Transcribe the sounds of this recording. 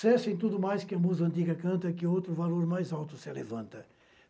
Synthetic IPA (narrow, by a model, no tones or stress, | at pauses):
sɛsʊẽj̃t̪̬ud̪ʊmajskɪɐmuzɐ̃nt̪̬iɡɐkɐ̃nt̪ɐkɪowt̪ɾʊvaloɾmajzawt̪ʊsɪlevɐ̃nt̪ɐ